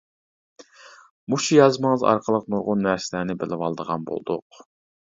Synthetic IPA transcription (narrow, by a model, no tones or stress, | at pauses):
muʃujɑzməɴəzɑ̰ɾqʰəlˠəq̚nuɾʁʊnːæsɪlænɪbɪlɪwɑlˠd̪əʁɑ̰nbo̰lˠd̪ṵq